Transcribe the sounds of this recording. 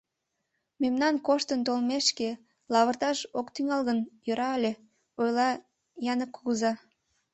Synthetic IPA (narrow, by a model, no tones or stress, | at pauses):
memnɑnkoʃt̪ənt̪olmeʃke | lɑβərt̪ɑʃokt̪yŋɑlɣənjøɾɑəlʲe | ojlɑ | jɑnəkːuɣəzɑ